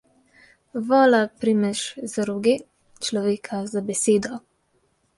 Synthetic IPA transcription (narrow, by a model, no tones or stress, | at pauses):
ʋɔːlapɾimɛʃzaɾuɡe | t͡ʃlɔʋeːkʰazabɛseːd̪ɔ